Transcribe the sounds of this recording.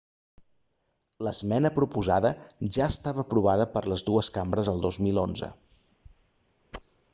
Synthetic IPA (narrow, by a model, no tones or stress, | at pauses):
ləzmɛnəpɾupuzaðəʒaːst̪aβəːpɾuβ̞aðəpəɾləzðuəskambɾəzəlˠd̪ozmilˠonzə̰